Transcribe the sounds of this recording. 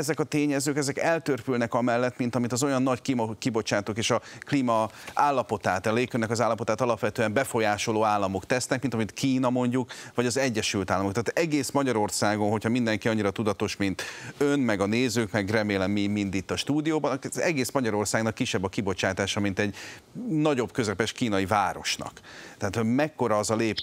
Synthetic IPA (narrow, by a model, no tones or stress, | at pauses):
ɛzɛkɒt̪eːɲɛzøːkɛzɛkɛlt̪ørpylnɛkɒmɛlːɛt̪mint̪ɒmit̪ɒzo̞jɒnːɒckimkibot͡ʃaːt̪oːkeːʃɒklimɒaːlːɒpo̞t̪aːt̪ɒleːkønːɛkɒzaːlːɒpo̞t̪aːt̪ɒlɒpʋɛt̪øːɛmbɛfo̞jaːʃoloːaːlːɒmo̞kt̪ɛsnɛk̚mint̪ɒmit̪kiːnɒmo̞ɲɟukʋɒɟɒzɛɟːɛʃylt̪aːlːɒmokt̪aːt̪ɛɡeːsmɒɟɒɾo̞rsaːɡo̞nɦo̞cʰhɒmind̪ɛŋkiɒɲːiɾɒt̪ud̪ɒt̪o̞ʃmint̪ønmɛɡɒneːzøːkmɛɡrɛmeːlɛmːimind̪it̪ːɒʃt̪uːd̪ijoːbɒnkzɛɡeːsmɒɟɒɾo̞rsaːɡnɒkːiʃːɛbːɒkːibo̞t͡ʃaːt̪aːʃɒmint̪ɛɟnɒɟo̞bkø̞zɛpɛʃkiːnɒjivaːɾo̞̰ʃnɒ̰kt̪ɛaːt̪hoɟmɛkːo̞ɾɒːzɒleːp